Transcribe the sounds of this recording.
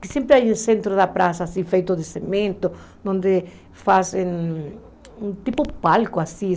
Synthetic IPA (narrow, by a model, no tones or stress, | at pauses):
kɪsẽmpɾɪajẽnsẽnt̪ɾoðapɾasaːsifejt̪ʊðɪsemẽnt̪o | nõnd̪ɪ | fase | ũt̪ipʊpalkʊasi